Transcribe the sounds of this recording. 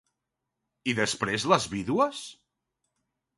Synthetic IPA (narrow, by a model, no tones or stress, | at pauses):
iðəspɾezləzβiðuəs